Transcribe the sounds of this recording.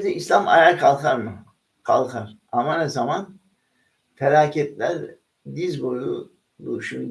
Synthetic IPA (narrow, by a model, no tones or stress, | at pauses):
d̪ɛislʲˠama̰jaɾkʰalˠkʰaɾmɯ | kʰalˠkʰaɾ̥ | amanezaman | feɾaːcʰɛt̪lʲæɾ | d̪izboɾu | d̪uʃun